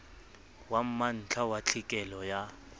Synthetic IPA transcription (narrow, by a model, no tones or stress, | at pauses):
wam̩man̩t͡ɬʰawat͡ɬʰikʼɛlɔja